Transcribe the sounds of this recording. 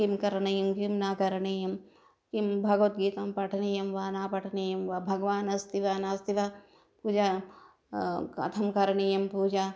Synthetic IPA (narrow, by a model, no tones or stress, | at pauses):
kimkɐɾɐɳɐjɐmkimnaːkɐɾɳijɐm | kimbʱɐɡʋɐt̪ɡiːt̪ɐmpɐʈʰnijɐmʋaːnaːpɐʈʰɐnijɐmʋɐbʱɐɡɐʋaːnɐst̪iʋaːnast̪iʋa | puːd͡ʒa | ɐ̰t̪ʰɐmkɐɾɐɳijɐmpuːd͡ʒaː